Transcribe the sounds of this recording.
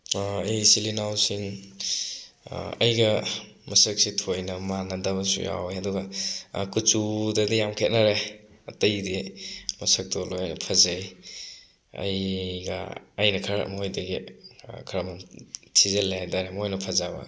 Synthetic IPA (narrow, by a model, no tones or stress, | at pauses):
jsilinawsin | ɐ̰jɡɐ | mɐsɐk̚sitʰojnɐmanɐdɐbɐsṵja̰wjɐduɡɐkut͡ʃudɐdijamkʰet̚nɐɾe | ɐtɐjdimɐsɐk̚dɔlojnɐpʰɐzej | ɐ̰jɡɐ̰ːjnɐkʰɐɾmojdɐɡikʰɾɐmantʰizelajdaɾemojnɐpʰɐzabɐ̰